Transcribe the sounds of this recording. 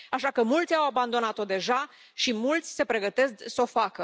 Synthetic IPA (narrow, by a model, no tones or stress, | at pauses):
aʃakəmult̪sʲawaband̪o̞nat̪o̞d̪e̞ʒa | ʃimult̪sʲse̞pɾe̞ɡət̪e̞s̬ksəo̞fakə